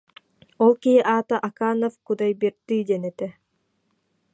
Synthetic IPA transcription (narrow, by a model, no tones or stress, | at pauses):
ɔlˠkiɦiʔaːt̪aʔɐkaːnɔfkud̪ajbiɾd̪id̪ɛnɛt̪ɛ